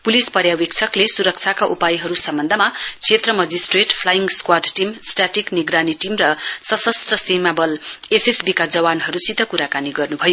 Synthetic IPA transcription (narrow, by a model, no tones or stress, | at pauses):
pulispʌɾjawekt͡sʰʌklesuɾʌk̚t͡sʰakaʔupajiɦʌɾusʌmbʌnd̪ʱʌmat͡sʰet̪rʌmʌd͡zisʈreʈpʰlajiŋskwarɖʈimsʈaʈikniɡɾaniʈimrʌsʌsʌst̪rʌsimabʌlesesbikad͡zʌwanɦʌɾusit̪ʌkuɾakaniɡʌrnubʱʌjo